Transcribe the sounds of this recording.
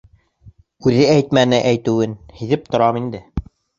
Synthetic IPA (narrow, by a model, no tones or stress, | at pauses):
ʉðɘæjt̪mænɘʔæjt̪ɘ̆wɘnhiðɘp̚t̪ŏɾɑmind̪ɘ